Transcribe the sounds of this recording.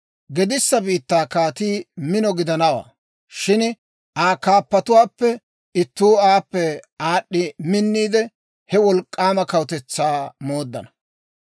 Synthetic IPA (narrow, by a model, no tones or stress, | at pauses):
ɡɛd̪ɪsːɐbiːt̪ːaːkaːt̪iːmɪnɔɡɪd̪ɐnɐwa̰ː | ʃɪn | ʔaːkaːpːɐt̪ʊwaːpːɛ | ɪt̪ːuːaːpːɛaːɗːɪmɪnːiːd̪ɛ | hɛwɔlkʼːaːmɐkɐwʊt̪ɛt͡sːaːmoːd̪ːɐ̰nɐ